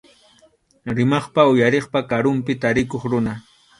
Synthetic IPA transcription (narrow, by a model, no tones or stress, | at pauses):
ɾɪmɑχpaʊjaɾeχpakaɾʊmpɪt̪aɾɪkoχɾʊna